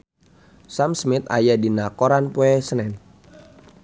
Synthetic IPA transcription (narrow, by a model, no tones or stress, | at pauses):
samsmɪt̪̚a̰jadinakoɾanpuɛsənɛn